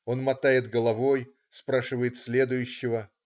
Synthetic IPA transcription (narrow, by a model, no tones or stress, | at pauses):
o̞nmɐt̪ajɪt̪ɡəlˠɐvo̞j | spɾaʂɨvəjɪt̪sʲlʲe̞d̪ʊjʉɕːɪvə